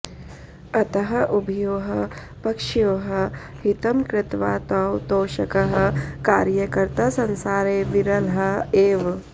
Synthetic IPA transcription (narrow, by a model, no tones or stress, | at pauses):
ɐt̪ɐɦɐʔubʱijoːɦɐ | pɐkʃjoːɦɐ | ɦit̪ɐmkɾɪt̪ʋaːt̪ɐwt̪oːʃɐkɐɦɐ̆kaːɾjɐkɐɾt̪aːsɐnsaːɾeːʋiɾɐlɦɐeːʋ